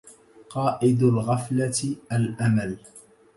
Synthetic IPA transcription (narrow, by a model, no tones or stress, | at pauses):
qɑːʔɪd̪alɣaflaʔalʔamal